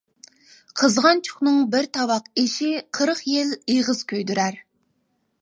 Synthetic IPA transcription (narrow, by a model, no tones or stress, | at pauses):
qʰəzʁɑnt͡ʃʰʊ̥χnɨŋbɪɾt̪ʰɑwɑqeʃiqʰəɾəχjeleʁəz̥kʲʰøjd̪yɾæɾ